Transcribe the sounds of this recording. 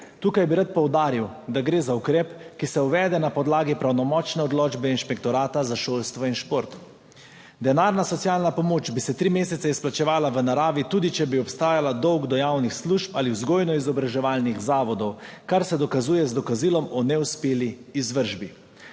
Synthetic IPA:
t̪uːkajbiɾat̪̚pɔwd̪aːɾiwd̪aɡɾeːzaukɾɛːpkisɛuʋɛːd̪ɛnapɔd̪laːɡipɾawnɔmɔːt͡ʃnɛɔd̪loːd͡ʒbɛinʃpɛkt̪ɔɾaːt̪azaʃoːlst̪ʋɔinʃpoːɾt̪ | d̪ɛnaːɾnasɔtsijaːlnapɔmoːt͡ʃbisɛt̪ɾiːmeːsɛt̪sɛisplat͡ʃɛʋaːlaʋənaɾaːʋit̪uːd̪it͡ʃɛbiɔpst̪aːjalad̪ɔwɡd̪ɔjawnixsluːʃpaliwzɡoːjnɔizɔbɾaʒɛʋaːlnixzaːʋɔd̪ɔwkaɾsɛd̪ɔkazuːjɛzd̪ɔkaziːlɔmɔnɛuspeːliːzʋəɾʒbi

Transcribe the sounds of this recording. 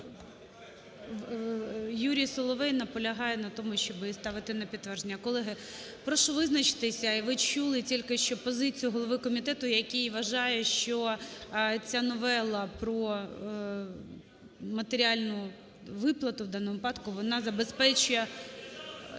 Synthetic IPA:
juɾʲijsɔlˠɔʋɛjnɐpɔlʲɐɦɑjɛnɐt̪ɔmʊʃt͡ʃɔbst̪ɑʋɪt̪ɪnɐpʲit̪t̪ːʋɛrʒenʲːɐkɔlˠɛɦɪ | pɾɔʃɔʋɪznɐt͡ʃɪ̥t̪ɪsʲɐiʋɪt͡ʃulˠɪtʲilʲkɪʃt͡ʃɔpɔzɪt͡sʲijʊɦɔlˠɔʋɪkɔmʲit̪ɛt̪ʊjɐkʲijʋɐʒɑjɛʃt͡ʃɔ | t͡sʲanɔʋɛlˠɐpɾɔ | mɐt̪eɾʲiɑlʲnʊ | ʋɪplˠɐt̪ʊwd̪ɑnɔmʊpɑd̪kʊʋɔnɑzɐbespɛt͡ʃʊjɛ

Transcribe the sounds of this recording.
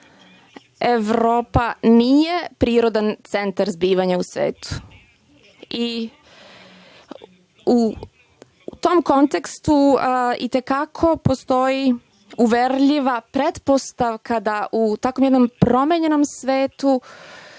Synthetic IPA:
eʋɾo̞ːpanije̞pɾiːɾo̞d̪ant̪se̞nt̪aɾzbiːʋaɲausʋḛːt̪u̥ | i | u | t̪o̞mko̞nt̪ekst̪uḭt̪e̞kakʰo̞post̪o̞ji | uʋeɾʎiʋapɾet̪po̞st̪aʋkʰad̪aʔut̪akomjed̪no̞mpɾo̞meɲeno̞msʋeːt̪u

